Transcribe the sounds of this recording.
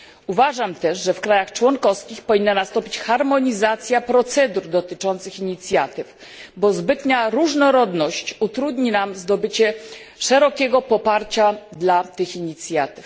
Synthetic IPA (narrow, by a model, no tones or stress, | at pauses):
uvaʐamt̪ɛʂʐɛfkɾajaxt͡ʂwɔŋkɔskʲixpɔvʲinːanast̪ɔ̃mpʲi̥t͡ɕxaɾmɔɲizat̪sʲjapɾɔt̪sɛd̪uɾd̪ɔt̪ɘt͡ʂɔnt̪sɘxiɲit̪sʲjat̪ɘf | bɔzbɘt̪ɲaɾuʐnɔɾɔd̪nɔɕt͡ɕut̪ɾud̪ɲinamzd̪ɔbɘt͡ɕɛ | ʂɛɾɔkʲɛɡɔpɔpaɾt͡ɕad̪lat̪ɘxiɲit̪sʲjat̪ɘf